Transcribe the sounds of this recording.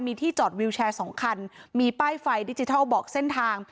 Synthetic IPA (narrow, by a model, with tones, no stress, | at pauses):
nmiː˧t̪ʰiː˥˩t͡ɕɔː˨˩t̪̚wi˧wt͡ɕʰɛː˧sɔː˩˦ŋkʰa˧nmiː˧paː˥˩jfa˧jdi˦˥t͡ɕi˧t̪ʰa˥˩bɔː˨˩k̚se˥˩nt̪ʰaː˧ŋ